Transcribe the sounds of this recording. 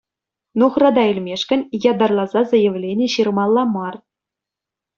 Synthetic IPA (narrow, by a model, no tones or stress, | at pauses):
nuχrɑd̪ɑilʲmʲeʂkʲɘ̆nʲjɑd̪ɑrlˠɑzɑzɤ̆jɘ̆ʋlʲenʲĕɕirmɑlˠːɑmɑr